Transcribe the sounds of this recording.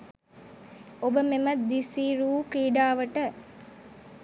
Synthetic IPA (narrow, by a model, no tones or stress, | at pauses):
obəmemɐt̪d̪isiːɾuːkɾiːɖaːʋəʈə